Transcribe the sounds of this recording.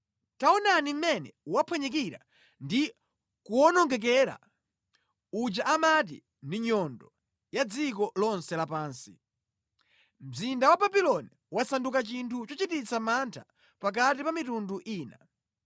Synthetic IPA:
taɔnanim̩mɛnɛuwapʰwɛɲɛk̬iɾa̰ | ndi | kuɔnɔŋɡɛk̬ɛɾa̰ | ud͡ʒaʔamat̬ḭ | ndiɲɔndɔ | jad͡zik̬ɔlɔnsɛlapaːnsi | m̩zindawababilɔni | wasandukat͡ʃintʰut͡ʃɔt͡ʃitit͡samantʰa | pak̬atipamitunduʔiːna̰

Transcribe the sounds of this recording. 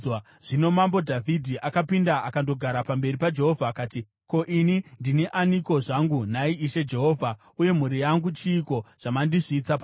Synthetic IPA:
ʐ̥ino̞mambo̞dʱavʱidʱiʔakapindaakando̞ɡʱaɾapambe̞ripad͡ʒe̞ɦo̞vʱaːkaːti | ko̞ʔinindiniʔaniko̞ʐaŋɡunaiiʃe̞d͡ʒe̞ɦo̞ːvʱa | uje̞m̤uɾijaŋɡut͡ʃiːko̞ʐ̥amandiʐiːt͡sapa

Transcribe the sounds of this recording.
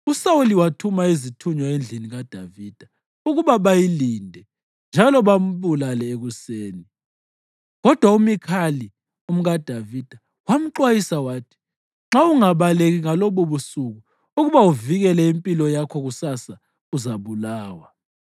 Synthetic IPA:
usauliwatʰumaizitʰuɲɔend͡ɮʱiniɣad̥ʱaviːd̥ʱa | uɣuβaβajilindʱɛ | nd͡ʒʱalɔβam̩βulalɛeɣuseːni | ɣɔd̥ʱwaumikʰali | um̩ɣad̥ʱavid̥ʱa | wam̩ǃwajisawaːtʰi̥ | ŋ͡ǁauŋaβaleɣiŋaloβoβusuɣu | uɣuβauviɣɛlɛimpʼilɔjakʰɔɣusasa | uzaβulaːwa

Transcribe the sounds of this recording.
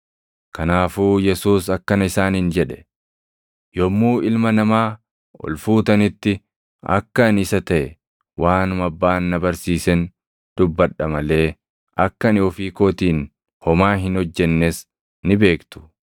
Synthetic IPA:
kɐnaːfuːjɛsuːsɐkːɐnɪsaːnɪnd͡ʒɛᶑɛ̥ | jɔmːuːɪlmɐnɐmaː | ɔ̰lfuːt̪ɐnɪt̪ːɪ | ɐ̰kːɐnɪsɐt̪ɐʔɛ | waːnʊmɐbːaːnːɐbɐɾsiːsɛn | d̪̥ʊbːɐᶑːɐmɐle̞ː | ʔɐkːɐnɪɔfiːkoːt̪iːn | hɔmaːɦɪnhɔd͡ʒːɛnːes | nɪbe̞ːkt̪ʊ̥

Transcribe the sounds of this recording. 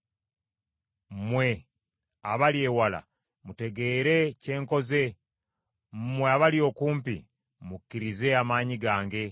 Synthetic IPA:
mmwe̞ | aβalje̞ːwala̰ | mute̞ɡe̞ːɾe̞ce̞ːŋko̞ze̞ | m̩mweaβalio̞kuːmpḭ | mukːiɾize̞amaːɲiɡaːŋɡe̞

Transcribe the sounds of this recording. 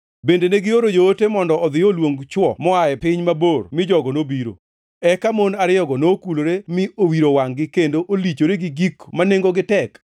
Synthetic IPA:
bendeneɡɪoɾod͡ʒoːtemɔndɔɔd̪ɪjɔlwoŋɡt͡ʃwɔmɔajɛpɪɲmabormɪd͡ʒɔɡɔnobiɾo̰ | ɛkamonaɾɪjɔɡɔnokuloɾemɪʔowiɾowaŋɡɪkendoʔolit͡ʃoɾeɡɪɡikmaneŋɡoɡɪtɛk

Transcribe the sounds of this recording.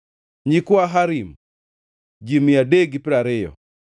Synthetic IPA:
ɲikwaɦaɾim | d͡ʒimjadeɡipɪɾaɾɪjɔ̰

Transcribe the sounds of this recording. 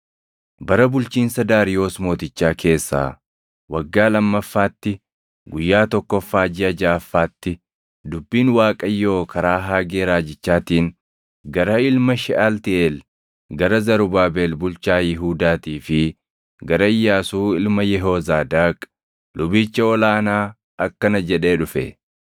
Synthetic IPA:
bɐɾɐbʊlt͡ʃiːnsɐd̪aːɾɪjo̞ːsmo̞ːt̪ɪt͡ʃːaːkʰe̞ːsːa̰ː | wɐɡːaːlɐmːɐfːaːt̪ːɪ | ɡʊjːaːt̪ɔkːɔfːaːd͡ʒɪɐd͡ʒaːfːaːt̪ːɪ | d̪ʊbːiːnwaːkʼɐjːo̞ːkʰɐɾaːɦaːɡeːɾaːd͡ʒɪt͡ʃːaːt̪iːn | ɡɐɾɐɪlmɐʃɪʔaːlt̪ɪʔeːl | ɡɐɾɐzɐɾʊbaːbe̞ːlbʊlt͡ʃaːjɪɦuːd̪aːt̪iːfɪ | ɡɐɾɐɪjːaːsuːɪlmɐjɛɦoːzaːd̪aːkʼ | lʊbiːt͡ʃːɐɔlaːnaː | ɐkːɐnɐd͡ʒɛᶑe̞ːᶑʊfɛ̰

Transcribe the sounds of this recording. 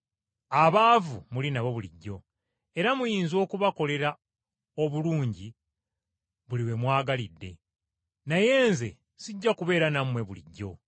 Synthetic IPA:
aβaːvumulinaβo̞βulḭɟːo̞ | e̞ɾamujiːnzo̞ːkuβako̞le̞ɾa | oβuluːɲɟi | βuliwe̞mwaːɡalidːe̞ | naje̞ːnze̞̰ | siɟːakuβe̞ːɾanamwe̞βulḭɟːo̞

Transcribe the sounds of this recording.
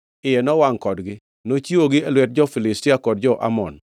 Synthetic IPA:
ɪjɛnɔwaŋkɔdɡɪ | not͡ʃioɡɪɛlwɛt̚d͡ʒɔfɪlɪstɪakɔd̚d͡ʒɔʔa̰mɔn

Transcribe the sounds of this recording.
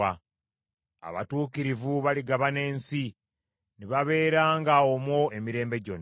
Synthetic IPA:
a | a̰βa̰tuːkiɾivuβaliɡaβane̞ːnsi | niβaβe̞ːɾaːŋɡaomwo̞e̞miɾe̞ːmbe̞ɟo̞̰nː

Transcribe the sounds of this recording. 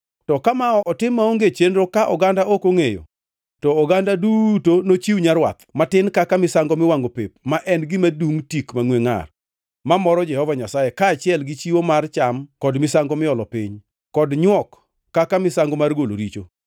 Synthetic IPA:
tɔkamaɔʔɔtɪmaoŋɡet͡ʃendɾokaʔɔ̰ɡandaʔokoŋejo̰ | tɔːɡandadutonot͡ʃiwɲaɾwa̰t̪matɪnkakamɪsaŋɡɔmɪwaŋɡopḛp̚maʔɛnɡɪmaduŋtikmaŋweŋa̰r | mamɔɾɔd͡ʒɛhɔvaɲasajekaːt͡ʃɪɛlɡɪt͡ʃiwomart͡ʃamkɔdmɪsaŋɡɔmɪɔlɔpɪ̰ɲ | kɔdɲwɔkː | akamɪsaŋɡɔmarɡolo̰ɾit͡ʃo̰

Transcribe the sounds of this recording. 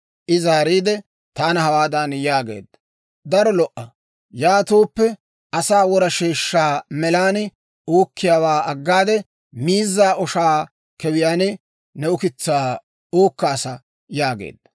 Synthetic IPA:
ʔɪzaːɾiːd̪ɛ | t̪aːnɐɦɐwaːd̪ɐnjaːɡḛːd̪ːɐ | d̪ɐɾɔlɔʔːɐ | jaːt̪oːpːɛ | ʔɐsaːwɔɾɐʃeːʃːaːmɛlaːn | oːkːɪjaːwaːɐɡːaːd̪ɛ | miːzːaːʔɔʃaː | kɛwɪjaːnɪ | nɛʊkɪt͡sːaː | oːkːaːsɐ | jaːɡḛːd̪ːɐ

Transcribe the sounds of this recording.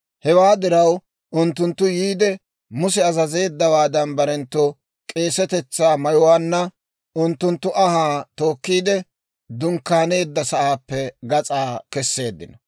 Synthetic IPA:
hɛwaːd̪ɪɾɐw | ʔʊnt̪ːʊnt̪ːʊjiːd̪ɛ | mʊsɛɐzɐze̞ːd̪ːɐwaːd̪ɐnbɐɾɛnt̪ːo | kʼe̞ːsɛt̪ɛt͡sːaːmɐjɔwaːnːɐ | ʊnt̪ːʊnt̪ːʊʔɐhaːt̪o̞ːkːiːd̪ɛ | d̪ʊŋkːaːne̞ːd̪ːɐsɐʔaːpːɛɡɐt͡sʼaːkɛsːe̞ːd̪ːɪnɐ

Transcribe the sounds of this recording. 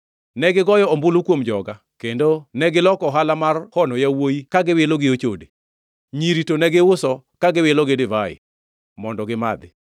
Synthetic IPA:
nɛɡɪɡɔjɔombʊlukwomd͡ʒɔɡa | kendonɛɡɪlɔkɔɦalamarhɔnɔjawojikaɡɪwɪlɔɡɪot͡ʃode | ɲiɾitonɛɡɪwʊsɔkaɡɪwɪlɔɡedɪvaɪ̰ | mɔndɔɡɪmad̪ɪ̰

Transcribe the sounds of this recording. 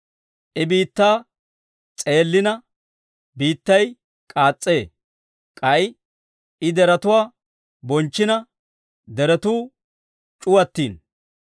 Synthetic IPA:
ʔɪbiːt̪ːaː | t͡sʼe̞ːlːɪnɐ | biːt̪ːɐj | kʼaːt͡sʼːe̞ː | kʼɐj | ɪd̪ɛɾɐt̪ʊwaː | bɔnt͡ʃːɪnɐ | d̪ɛɾɛt̪uː | t͡ʃʼʊwɐt̪ːiːn

